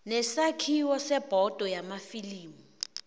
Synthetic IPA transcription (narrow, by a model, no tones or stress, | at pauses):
nɛsakʰiwɔsɛb̥ʱɔd̥ʱɔjamafiliːmu